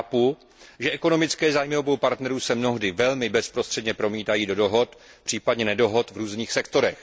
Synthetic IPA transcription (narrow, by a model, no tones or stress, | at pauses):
apu | ʒɛʔɛko̞no̞mɪt͡skɛːzaːjmɪɦobowpaɾt̪nɛɾuːsɛmno̞ɦdɪvɛlmɪbɛspɾost̪r̥ɛdɲɛpɾo̞miːt̪ajiːdo̞do̞ɦot̪ | pr̝̥iːpadɲɛnɛdo̞ɦo̞t̪vɾuːzniːxsɛk̚t̪o̞ɾɛx